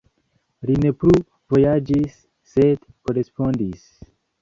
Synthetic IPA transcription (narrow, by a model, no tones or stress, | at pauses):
line̞plu | vo̞jad͡ʒisː | ed̪ | koɾespondis